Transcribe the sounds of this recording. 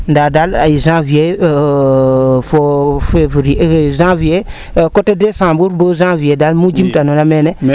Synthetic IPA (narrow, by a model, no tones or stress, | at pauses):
ndadalajizãvie | fofevɾzãvie | kotedesãːmbuɾbozãviedalmud͡ʒimtanonamene